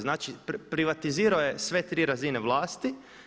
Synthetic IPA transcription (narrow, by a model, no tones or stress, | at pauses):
znaːt͡ʃipɾiʋat̪iziːɾaoje̞sʋe̞t̪ɾiːɾazineʋlˠaːst̪i